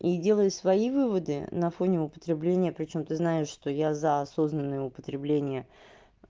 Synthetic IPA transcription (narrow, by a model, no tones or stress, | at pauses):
idʲe̞lˠəjsvɐivɨvəd̪ɨ̰nɐfo̞nʲɪʊpə̥t̪ɾʲɪblʲenʲɪjəpɾʲɪt͡ɕo̞mt̪ɨznaɪʂʂt̪o̞jazəɐso̞znənːɨjəʊpət̪ɾʲɪblʲenʲɪjə